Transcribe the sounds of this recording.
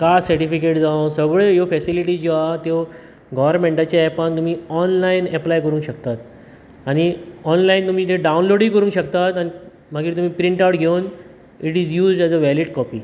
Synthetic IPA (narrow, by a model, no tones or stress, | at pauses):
kasəɾʈifikeʈd͡zãsəɡɭejofɛsiliʈiːd͡ʑoat̪jo | ɡɔʋəɾmẽɳʈat͡ɕaɛpəɳt̪um̤iːɔnlainɛplajkəɾũːŋkɕəkt̪at̪̚ | aɽ̃iɔnlaint̪um̤iːt̪eɖawnloɽiːkəɾũːŋkɕəkt̪at̪ani | m̤əɡiːɾt̪um̤iːpɾiɳʈawʈɡʱewn | iʈiːd͡zjuːzɖɛd͡zəʋɛliʈkɔpḭː